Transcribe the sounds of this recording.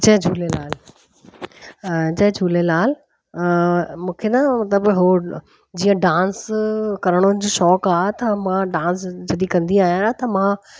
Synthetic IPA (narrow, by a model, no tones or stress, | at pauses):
t͡ɕɐɦd͡ʑʱuːlelaːl | t͡ɕɐɦd͡ʑʱuːlelaːl | mũːkʰenamɐt̪ləbɦo | d͡ʑiːə̃ɖãːnskɐɾəɽ̃ʊnɪd͡ʑoːʃɔːkaːɦet̪ɐmãɖãːnsd͡ʑɐd̪ikɐ̃nd̪iaːijãat̪ɐmã